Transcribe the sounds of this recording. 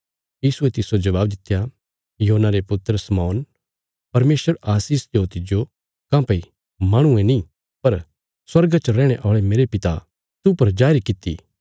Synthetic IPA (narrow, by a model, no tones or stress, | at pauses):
jiːsuɛt̪ɪsod͡ʒɐβaːbd̪ɪt̪ːja | joɦonaɾepʊt̪ɾəsmɔːn | pɐɾmeːsʋəɾaːsiːst̪ot̪ɪd͡ʒo | kãːpei | maːɽ̃ʊẽnĩ | pɐɾ | swɐɾɡat͡ʃəɾɛ̃ːɽ̃eʔɔːɭemeːɾepɪt̪a̰ | t̪upɐɾd͡ʒaːɾikɪt̪ːḭ